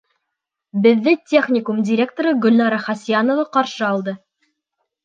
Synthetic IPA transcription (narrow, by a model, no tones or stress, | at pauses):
bɘ̆ðːɘtʲʰe̞χnʲɪkumdʲɪɾʲe̞k̚t̪oɾɤɡɵ̆lnɑɾɑχɑsijanovɑqɑɾʃɤɑlˠd̪ɤ